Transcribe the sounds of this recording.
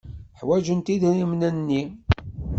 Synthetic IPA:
ħwæʒənt̪iðɾimnænːi

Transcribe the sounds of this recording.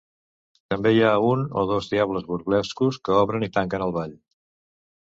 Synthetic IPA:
t̪əmbejauno̰ð̞ɔzðiaβləzβuɾβlɛskuskəɔβɾənit̪aŋkənəlˠβaʎ

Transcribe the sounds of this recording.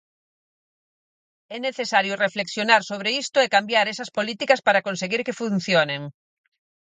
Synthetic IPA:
ɛneθesaɾjʊrefleksjonaɾsoβ̞ɾeist̪ʊekambjaɾɛsɐspolit̪ikɐspaɾakonseɣiɾkefun̟θjoneŋ

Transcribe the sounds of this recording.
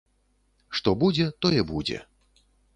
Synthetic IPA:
ʂt̪ɔbud͡zʲɛt̪ɔjɛbud͡zʲɛ̰

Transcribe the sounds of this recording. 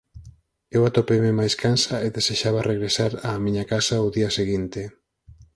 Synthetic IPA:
ewat̪opememajskʰansaeðeseʃaβ̞areɣɾesaɾaːmĩɲakasauðiɐseɣint̪e

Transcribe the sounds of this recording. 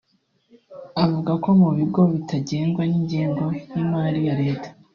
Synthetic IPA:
avuɡako̞muβiɡo̞βitʰaɟe̞ːŋɡwaniɲɟiːŋɡo̞jimaːɾijaɾe̞ːtḁ

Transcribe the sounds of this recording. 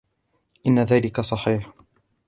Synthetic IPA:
ʔɪnːaðaːlɪkasˤɑħiːħ

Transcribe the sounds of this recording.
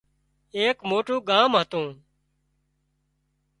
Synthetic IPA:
eːkmoːʈũːɡaːmɦət̪õː

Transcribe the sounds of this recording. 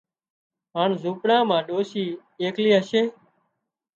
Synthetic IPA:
ɦaːɳzuːpɽãːmãːɗoːsiː | eːkliːɦəʃeː

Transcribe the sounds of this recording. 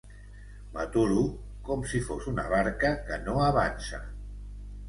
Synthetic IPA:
mat̪uɾu | kɔmsifosuna̰βaɾkəkənoəβansə̰

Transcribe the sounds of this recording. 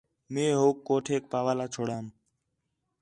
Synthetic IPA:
mẽːɦoːkːoːʈʰeːk̚paːʋaːlaːt͡ʃʰoːɽaːm

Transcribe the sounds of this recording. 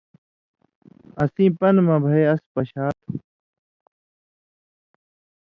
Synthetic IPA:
əsĩːpənmãːbʱəeːəspəɕaːt̪ʰ

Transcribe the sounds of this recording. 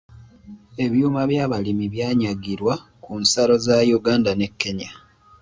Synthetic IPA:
e̞βjuːmaβjaːβalimiβjaːɲaɡiɾwa | kunsalo̞zajuɡaːndane̞kːe̞ɲa

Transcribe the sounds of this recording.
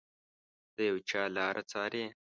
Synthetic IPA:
t̪əjɐwt͡ʃaːlaːɾʔɐt͡saːɾeː

